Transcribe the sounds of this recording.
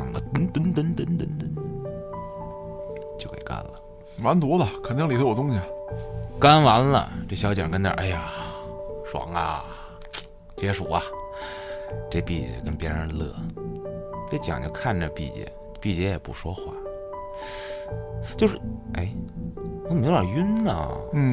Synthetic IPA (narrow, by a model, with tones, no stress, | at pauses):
ŋlə̰˦t̪ə˧˥nt̪ə˧˥nt̪ə˧˥nt̪ə˥nt̪ə˧˥nt̪ə˧˥n˧˥ | t͡ɕjo˥˧ʊkʰə˥˩ɪ˨ka̰˥nlə˨ | ma˧˥nt̪wɔ˧˥lə˨kʰa˨˩nt̪ɑ˥ŋli˨˩˥ɔ˨˩ʊ˥ŋɕi˨˩ | ka˥nwa˧˥nlə̰˧˨ʈ͡ʂɤ˥˩ɕjɑ˧˥ʊt͡ɕjɑ˨˩kə˥nd̪ə̰˨˩ʔa˥˩ja˨˩ | ʂwɑ̰˧˩ŋɐ̰˧ | t͡ɕjɛ˧˥ʂu˨˩ɐ˧ | ʈ͡ʂe˥˧pḭ˥˩t͡ɕɛ̰˧˩kə˥npjɛ˧˥ɻə˧˥nlɤ̰˥˩ | ʈ͡ʂe˥˩t͡ɕjɑ̰˨˩ŋt͡ɕjo˥˧ʊkʰa˥˩nʈ͡ʂə˥˧pḭ˥˩t͡ɕjɛ̰˧˩ | pi˥˧˩t͡ɕjɛ˧˥jɛ˨˩pṵ˨˩ʂwɔ˥xwa̰˥˩ | t͡ɕjo˥˧ʊʂɻ̩˥˩ʔe˥˩ɪ˧˥ | me˧˥jʲa˨˩y˥nnə˨n̩˥˩